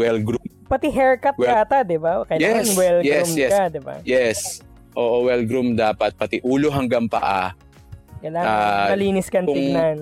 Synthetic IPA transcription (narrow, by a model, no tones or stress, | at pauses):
wɛlɡɾum | pɐt̪iɦɛɹkɐp̚aːt̪ad̪ɪbakɐjlaɛːŋɐnwɛlɡjɛusmjɛkɐd̪ɪba̰jɛs | ʔoːʔowɛlɡɾumd̪aːpɐt̪̚pɐt̪ɪʔuːloɦɐŋɡaŋpɐ̰ʔa | kɐjlaːŋamɐliːnɪskɐnkʊɪŋnan